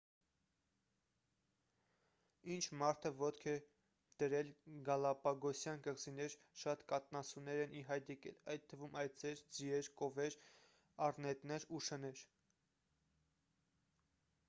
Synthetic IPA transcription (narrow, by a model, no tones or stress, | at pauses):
int͡ʃʰmɑɾt̪ʰəvɔt̪kʰɛ | d̪̥əɾɛlɡɑlɑpɑɡɔsjɑnkəʁzinɛɾ | ʃɑt̪kɑt̪nɑsʰunɛɾɛniɦɑjd̪jɛkɛ̰lɑjt̪̚t̪ʰːəvumɑj̪d͡zɛɾd͡ziɛɾkɔvɛɾ | ɑrnɛt̪nɛɾuʃənɛɾ